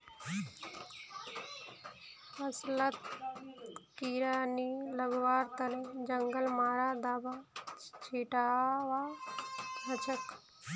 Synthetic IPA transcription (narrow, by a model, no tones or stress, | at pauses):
pɐslət̪ | kiɾaːniləɡʋaːɾt̪ɐned͡ʒəŋɡəlmaːɾaːd̪aːbat͡ʃʰiːʈaːʋa | nɐt͡ʃʰək